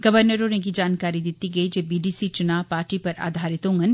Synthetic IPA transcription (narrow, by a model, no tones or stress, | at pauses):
ɡ̥ɐʋəɾnəɾoːnẽk̬id͡ʒaːnkaːɾid̪ɪt̪iɡɐid͡ʒeːbiːɖiːsit͡ʃʊnaːʋpaːɾʈipɐɾa̰ːd̪ʱaːɾɪt̪õːŋɡən